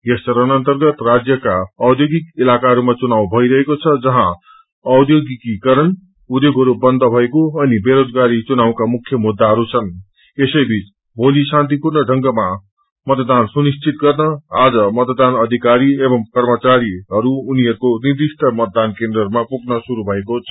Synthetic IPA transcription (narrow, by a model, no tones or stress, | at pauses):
jesʌɾʌnʌnt̪ʌrɡʌt̪rad͡zjʌkaʌd̪joɡikilakaɦʌɾumat͡sunaw̃bʱʌiɾʌɦekot͡sʰʌd͡zʌɦã | ʌwd̪joɡikikʌɾʌn | ud̪joɡʱɦʌɾubʌnd̪ʱʌbʱʌekoʌnibeɾod͡zɡaɾit͡sunaw̃kamukʰjʌmud̪ːaɦʌɾut͡sʰʌn | esʌjbʱit͡s | bʱolisãnt̪ipurnʌɖʱʌŋɡʌma | mʌt̪d̪ansunist͡sʰit̪ɡʌrnʌad͡zʌmʌt̪d̪anʌd̪ʱikaɾiebʌmkʌrmʌt͡saɾiɦʌɾuːniɦʌɾukonird̪isʈʰʌmʌt̪̚d̪ankend̪rʌɾumapuɡnʌsuɾubʱʌekot͡sʰʌ